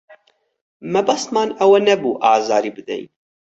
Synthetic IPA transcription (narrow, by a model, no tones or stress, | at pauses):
mɛbɐst̪mɑːnɐwɐnɛbuːʔɑ̰ːzɑːɾibɨd̪ɛ̰j